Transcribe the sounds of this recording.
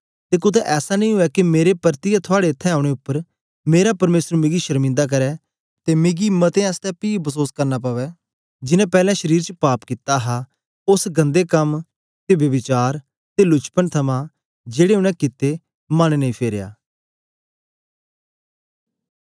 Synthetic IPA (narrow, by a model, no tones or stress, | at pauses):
t̪eːkʊd̪ʰɛʔɛːsaːnəĩɦʊɛːkimeːɾepəɾt̪iːjat̪ʰʊaːɽeɪt̪ʰːɛ̃ːaːʊɽeːʊpːəɾ | meːɾapəɾmeːsəɾmɪ̃ɡiːʃəɾmɪ̃nd̪aːk̬əɾɛː | t̪emeɡimət̪ẽɛst̪ɛpiːbəsoːskəɾnaːp̬aːʋɛː | d͡ʒɪnɛ̃ːpɛːlɛ̃ːʃəɾiːɾt͡ʃəpaːpkɪt̪aɦaː | ʊsɡə̃nd̪eːkəm | t̪eːʋjəʋɪt͡ʃaːɾ | t̪elʊt͡ʃpənt̪ʰəmã | d͡ʒeːɽeːʊnɛ̃ːkɪt̪ːeː | məñnəĩːpʰeːɾeja̰ː